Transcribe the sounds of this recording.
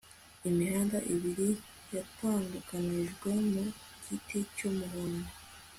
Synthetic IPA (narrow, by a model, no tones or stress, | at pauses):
imihaːndaʔiβiɾi | jataːndukaniʒɡwe̞mu | ɟitʰecomuɦone